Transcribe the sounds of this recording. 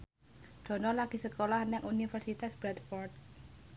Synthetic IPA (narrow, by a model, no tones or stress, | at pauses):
ɖ̥ɔ̤nɔrlaɡ̥i̤səkolahnɛʔunifərsit̪asb̥ɾɛt̪fɔrt̪̚